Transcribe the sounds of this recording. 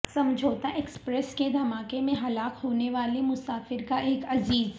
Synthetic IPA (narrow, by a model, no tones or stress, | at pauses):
sɐ̃md͡ʒʱoːt̪aʔeːkspɾɛsked̪ʱɐmaːkemẽɦɐlaːkhoːneʋaːlemʊsaːfɪɾkaʔeːkɐziːz